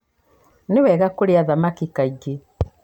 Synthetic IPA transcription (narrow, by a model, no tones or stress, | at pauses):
newɛɣakoɾeaðamakikaiɡe